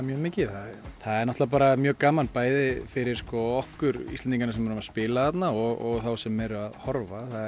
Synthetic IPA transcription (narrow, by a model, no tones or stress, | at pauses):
mjœːmɪːcɪθaðθaðɛɾnɔht̪avap̬aːɾamjœːkaːmanpaːjðɪfɪɾɪɾ̥skɔɔhkʏɾḭsɛnt̪iŋkanasɛmːaɾʏmaspɪːlaθat̪naɔɣɔɣθawsɛmːɛɾʏaðhɔɾvaθaðɛ